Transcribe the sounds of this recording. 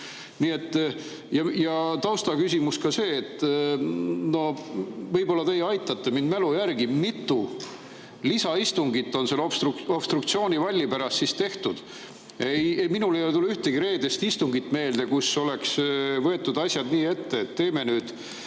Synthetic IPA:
niːe̞t̪ˑː | jɑjɑt̪ɑwst̪ɑkysʲimuskɑse̞ːt̪ːˑ | no̞hvɤjbo̞lːɑt̪e̞jeɑjt̪ːˑɑt̪ːe̞mind̪mælujærɡimit̪ːˑu | lisɑist̪uŋɡit̪ːˑo̞nselosopst̪rukt̪sio̞ːnʲivɑlʲːipæɾɑst̪sist̪e̞ht̪ud̪̥ | ejeminulejot̪uluyht̪e̞ɡiɾe̞ːd̪est̪ist̪uŋɡit̪ːˑme̞ːld̪̥e̞kuso̞le̞ksvɤe̞t̪ˑːud̪̥ɑsʲjɑd̪niːe̞t̪ːe̞ːt̪ːe̞ːme̞nyːd̪̥

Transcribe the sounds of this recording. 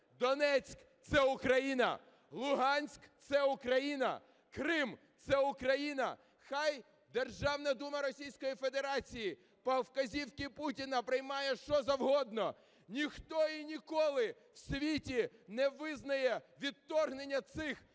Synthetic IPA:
d̪ɔnɛt͡sʲk | t̪sɛʊkɾɐjinɐ̰ | lˠʊɦɑnʲsʲkt̪sɛʊkɾɐjinɐ̰ | kɾɪm | t̪sɛʊkɾɐjinɐ̰ | xɑj | d̪erʒɑwnɐd̪umɐɾɔsʲijsʲkɔjifed̪eɾɑt͡sʲiji | pɐwkɐzʲiwkɪputʲinɐpɾɪjmɑjɛʃt͡ʃɔzɐwɦɔd̪nɔ | nʲixt̪ɔinʲikɔlˠɪ | w̥sʲʋʲitʲinɛʋɪznɐjɛʋʲid̪ːɔrɦnenʲːɐt̪sɪx

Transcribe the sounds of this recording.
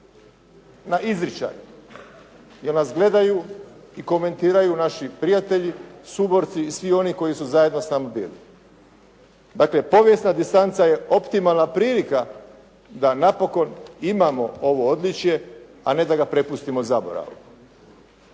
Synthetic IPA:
naʔizɾit͡ʃa̰ju | jeɾnasɡle̞d̪ajuiko̞me̞nt̪iːɾajunaʃipɾijat̪eʎisubo̞ɾt̪siːsʋio̞niko̞jisuzaje̞d̪no̞snamabḭːlḭ | d̪akle̞po̞ʋje̞snad̪ist̪ant̪saje̞o̞pt̪imalˠnapɾiːlika | d̪anapo̞ko̞nimamo̞o̞ʋo̞od̪lit͡ʃje̞ | ane̞d̪aɡapɾe̞pust̪imozabo̞̰ɾa̰ʋṵ

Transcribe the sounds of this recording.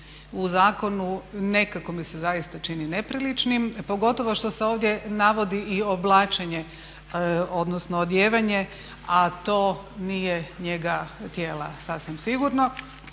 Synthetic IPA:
uzaːko̞nune̞kako̞misezajist̪at͡ʃinine̞pɾilit͡ʃnimpo̞ɡo̞t̪o̞ʋo̞ʃt̪o̞seo̞ːʋd̪je̞naʋo̞d̪iʔio̞blˠaːt͡ʃeɲe | od̪nosnoːd̪jeːʋaɲe | at̪o̞ːnijeɲe̞ɡat̪jeːla̰sasʋimsiɡuɾno̞

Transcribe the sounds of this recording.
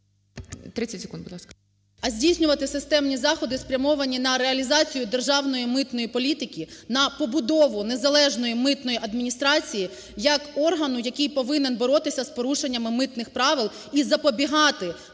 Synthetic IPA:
t̪ɾɪt͡sʲːɐtʲsʲe̥kund̪bʊd̪lˠɑskɐ | ɐzʲdʲijʲsʲnʲʊʋɐt̪ɪsɪst̪ɛmnʲizɑxɔd̪ɪspɾʲɐmɔʋɐnʲinɐɾeɐlʲizɑt͡sʲijʊd̪erʒɑwnɔjimɪt̪nɔjipɔlʲit̪ɪkʲinɐpɔbʊd̪ɔʋʊne̞zɐlˠɛʒnɔjimɪt̪nɔjiʔɐd̪mʲinʲist̪ɾɑt͡sʲiji | jɐkɔrɦɐnʊjɐkijpɔʋɪnenbɔɾɔt̪ɪsʲɐspɔɾuʃenʲːɐmɪmɪt̪nɪxpɾɑʋɪlˠ | izɐpɔbʲiɦɑt̪ɪ

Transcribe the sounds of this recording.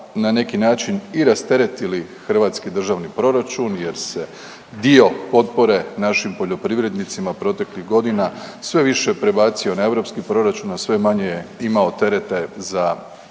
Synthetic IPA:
nane̞kinaːt͡ʃiniɾast̪e̞ɾe̞t̪ilixr̩ʋaːt̪skid̪r̩ʒaʋnipɾo̞ɾat͡ʃunje̞ɾse̞ | d̪io̞po̞t̪̚po̞ɾe̞naʃimpo̞ʎo̞pɾiʋɾe̞d̪nit̪simapɾo̞t̪e̞kliɣɡo̞d̪inasʋe̞ʋiʃe̞pɾe̞baːt̪sio̞nae̞ʋɾo̞pskipɾo̞ɾat͡ʃunasʋe̞maɲejeimao̞t̪e̞ɾe̞t̪e̞za

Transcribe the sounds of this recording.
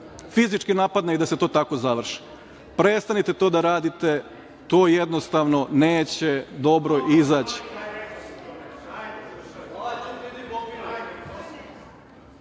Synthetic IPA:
fizit͡ʃkinapad̪najid̪aset̪o̞ːt̪ako̞zaʋr̩ʃi̥ | pɾest̪anit̪et̪o̞ːd̪aɾaːd̪it̪e̞ | t̪o̞ːjed̪nost̪aʋno̞neːt͡ɕed̪obɾoʔizaːt͡ɕi̥

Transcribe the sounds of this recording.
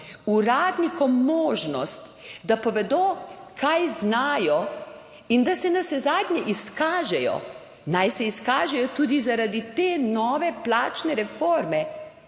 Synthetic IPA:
uɾaːd̪nikɔmːoːʒnɔst̪ | d̪apɔʋɛd̪oːkʰajznaːjɔ | ind̪asɛnasɛzaːd̪ɲɛʔiskaːʒɛjɔ̰ | najsɛiskaːʒɛjɔt̪uːd̪izaɾad̪it̪eːnɔːʋɛplaːt͡ʃnɛɾɛfoɾmɛ

